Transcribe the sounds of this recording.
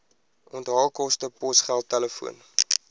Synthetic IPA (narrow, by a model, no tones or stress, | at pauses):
ʔɔntɦɑlˠkɔstəpɔsχælˠtːɛləfṵən